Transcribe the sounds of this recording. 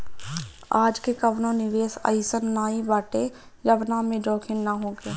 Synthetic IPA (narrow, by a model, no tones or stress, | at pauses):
aːd͡ʒkekəʋnõnɪʋeːsa̰ɪsənːaːibaːʈe | jɐbnamẽd͡ʒoːkʰɪnːaɦoːɡeː